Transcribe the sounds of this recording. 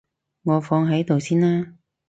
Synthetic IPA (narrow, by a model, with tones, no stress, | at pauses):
ŋɔː˨˧fɔː˧ŋɦɐ˨˥jt̪o˨wsiː˥nlaː˥